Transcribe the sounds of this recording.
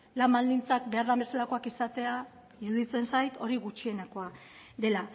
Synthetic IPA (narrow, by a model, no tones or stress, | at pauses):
lambald̪int͡sak̚be̞aɾðambe̞salako̞akisat̪e̞a | iɾuðit͡se̞nsajt̪o̞ɾiɣut͡ʃie̞nako̞ad̪e̞la